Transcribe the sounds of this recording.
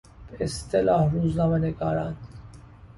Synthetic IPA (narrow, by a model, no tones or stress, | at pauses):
b̥eest̪ʰelɑːhɾuːznɑːmeneɡɑːɾɑn